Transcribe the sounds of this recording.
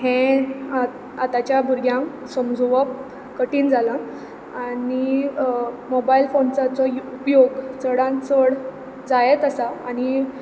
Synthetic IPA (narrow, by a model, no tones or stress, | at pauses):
ɦẽ | at̪at͡ɕjabʱuɾɡʱjãŋ | səmd͡zʱoʋəp | kəʈiːnd͡zala | ani | mobailfont͡sat͡sɔupjoɡt͡səɽãnt͡səɽ | d͡zajet̪əsaaɽ̃i